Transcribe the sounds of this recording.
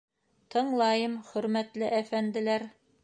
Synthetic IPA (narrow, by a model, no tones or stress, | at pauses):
t̪ʰɤ̆ɴlˠɑjɤmχɵ̆ɾmæt̪lɘʔæfænd̪ɘ̆læɾ